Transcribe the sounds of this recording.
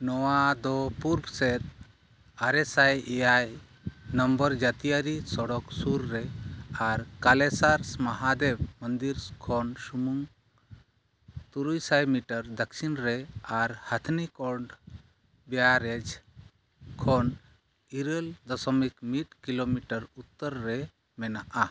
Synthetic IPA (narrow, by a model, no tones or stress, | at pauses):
nɔwad̪ɔpuɾbsɛt̪̚ | aɾɛsajɛjaj | nɔmbəɾd͡ʒat̪ijaɾisɔɽɔksuɾːɛaɾkalɛsaɾsmaɦad̪ɛbmənd̪iɾkʰɔnsumuŋ | t̪uɾujsajmiʈəɾd̪əksinɾɛaɾhat̪ʰnikɔɾɳɖ | bɛjaɾɛd͡ʒ | kʰɔn | iɾəld̪ɔsɔmikmiʈ̚kilomiʈəɾut̪ːəɾːɛ | mɛnaʔa